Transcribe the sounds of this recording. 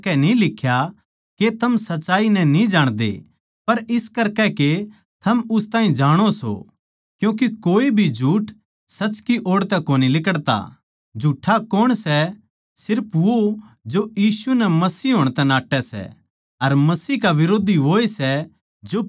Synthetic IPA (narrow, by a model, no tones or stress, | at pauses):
kɛnĩlɪkʰːja | ket̪ʰɐmsɐtːt͡ʃːaːinɛ̃nĩd͡ʒaːɽ̃d̪ḛ | pɐɾɪskɐɾkɛke | t̪ʰɐmʊst̪aːɦĩd͡ʒaːɽ̃oso̰ | kjũːk̬ikoːibʱid͡ʒʱuːʈ | sɐt͡ʃkiʔoːɽt̪ɛkoːnilɪkəɽt̪a̰ | d͡ʒʱuːʈʰakoːɽ̃sɛ | sɪɾpʰʋod͡ʒojiːsunɛmɐsiːɦoːɽ̃t̪ɛnaːʈːɛsɛ̰ | ɐɾmɐsiːkaʋɪɾoːd̪ʱiʋoːesɛ | d͡ʒo